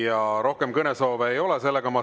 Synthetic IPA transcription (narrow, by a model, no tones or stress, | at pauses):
jɑɾo̞hke̞mkɤneso̞ːveːjo̞le̞se̞lːe̞ɡ̥ɑmɑ